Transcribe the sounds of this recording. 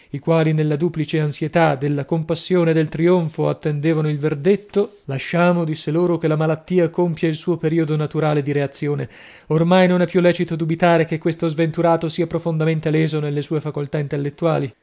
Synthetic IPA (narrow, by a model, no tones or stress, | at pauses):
ikwaːlinelːad̪uːplit͡ʃeansjet̪ad̪elːakompasːjoːned̪elt̪ɾioɱfoat̪ːend̪eːvanoilverd̪et̪ːo | laʃːaːmod̪isːeloːɾok̟elamalat̪ːiːakompjailsuːopeɾiːod̪onat̪uɾaːled̪iɾeat̪sːjoːne | ormajnonɛpːjulːɛːt͡ʃit̪od̪ubit̪aːɾekekːwest̪ozvent̪uɾaːt̪osiːapɾofond̪ament̪elɛːzonelːesuːefakolt̪aint̪elːet̪ːuaːli